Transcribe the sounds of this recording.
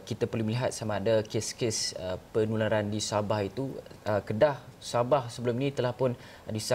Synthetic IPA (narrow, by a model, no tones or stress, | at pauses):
kit̪apərluhməliɦat̪̚samaːdakeskesəpənulaɾandisabahit̪uəkədahsabahsəbəluminĩt̪əlahpʊn | disa